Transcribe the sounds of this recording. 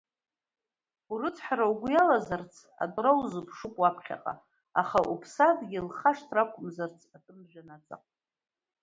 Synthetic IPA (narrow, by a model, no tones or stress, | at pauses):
urɨt͡sʰʼħaɾawɡʷʊjalazart͡sʰ | a̰dʼrawzɨpʰʂɨkʷʼwapʰχʲa̰qʼa̰ | aχaʔupʰsadɡʲɪlχaʂtʰrakʷʼʊmzart͡sʰatʼɨmʒᶣanad͡zʼa̰qʼ